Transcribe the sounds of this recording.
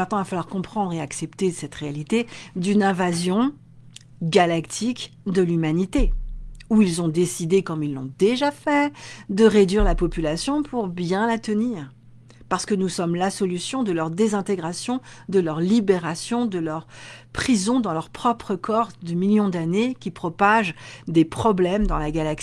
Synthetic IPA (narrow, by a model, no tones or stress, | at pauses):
ɛ̃t̪nɑ̃vafalwaʁkɔ̃pχɑ̃d̪ʁeaksɛpt̪esɛt̪ʁealit̪ed̪ynɛ̃vazjɔ̃ | ɡalakt̪ʰikd̪əlymanit̪euilzɔ̃d̪esid̪ekɔmilːɔ̃d̪eʒafɛd̪əʁed̪ɥiʁlapɔpylasjɔ̃pʰuʁbjɛ̃lat̪əniːʁ | paʁsə̥kənusɔmlasɔlysjɔ̃d̪əlœʁd̪ezɛ̃t̪eɡʁasjɔ̃d̪əlœʁlibeʁasjɔ̃d̪əlœʁpχizɔ̃d̪ɑ̃lœʁpχɔpχəkʰɔʁd̪əmiljɔ̃d̪anekʲipχɔpaʒd̪epχɔblɛmd̪ɑ̃laɡalaks